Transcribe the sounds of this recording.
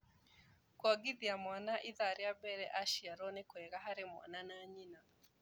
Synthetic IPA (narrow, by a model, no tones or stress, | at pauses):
kwaɡiðiamwanaʔiðaɾeabɛɾɛʔaʃiaɾɔnekwɛɣaɦaɾɪmwa̰nanaɲina